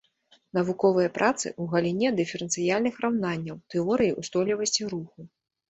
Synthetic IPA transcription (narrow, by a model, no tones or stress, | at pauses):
n̪ɐvukɔvɨjɐpɾʔat̪sɨ̰ʔuɣɐlʲinʲɛd̪ɨfʲɛɾɛnt̪sɨjalʲnɨxrawnanʲːɐwt̪ɨɔɾɨjiʔust̪ɔlʲivɐsʲt͡sʲiɾuxu